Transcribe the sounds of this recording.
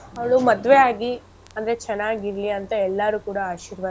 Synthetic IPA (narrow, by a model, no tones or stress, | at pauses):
ɐʋɐɭumɐd̪ʋeaːɡi | ɐnd̪ɐɾet͡ʃɛnːaːɡiɾliɐnt̪ɐɛlːɐɾuːkuːɽɐaːʃiːɾʋɐ